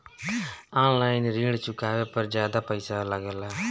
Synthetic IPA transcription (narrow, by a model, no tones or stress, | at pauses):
aːnlajnɾiːɽt͡ʃʊkːaːʋepɐɾd͡ʒjaːd̪apɐɪsalaːɡɐla